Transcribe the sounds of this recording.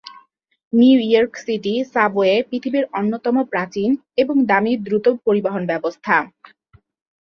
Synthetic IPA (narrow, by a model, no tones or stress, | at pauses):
nijɔɾksiʈisaboepɾit̪ʰibiɾonːot̪ɔmopɾat͡ɕin | eboŋd̪amiɾd̪ɾut̪opoɾibaɦonbɛbost̪ʰa